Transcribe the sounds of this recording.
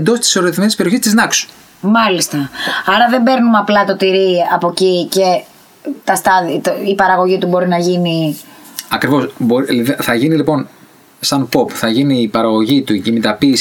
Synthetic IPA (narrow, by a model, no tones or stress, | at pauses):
nd̪o̞st̪i̥so̞ɾiθimenispeɾioçist̪iznɐksu̥ | mɐlist̪ɐɐɾɐðembe̞ɾnumɐplɐt̪o̞t̪iɾiɐpo̞cice̞ | t̪ɐst̪ɐðit̪ipɐɾɐɣo̞ʝit̪ubo̞ɾinɐʝini | ɐkɾivo̞sboivθɐʝinilipo̞n | sɐnpo̞pθɐʝiniːpɐɾɐɣo̞ʝit̪uicimit̪ɐpiːs